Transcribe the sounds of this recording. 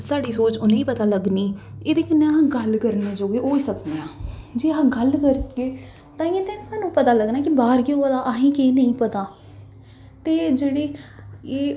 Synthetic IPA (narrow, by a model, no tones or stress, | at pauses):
saːɖiːsoːt͡ʃʊnẽːiːpət̪aːləɡniːeːd̪eːkənẽːɦãːɡəlkəɾneːd͡ʒoːɡeːɦoːiːsəkd̪eːãːd͡ʒeːɦãːɡəlkəɾt̪keː | t̪ãːiẽːt̪ẽːsaːnũːpət̪aːləɡnaːkibaːɾkeopəd̪aːʔaɦĩːkeːnəĩːpət̪aː | t̪eːd͡ʒeːɽeːeː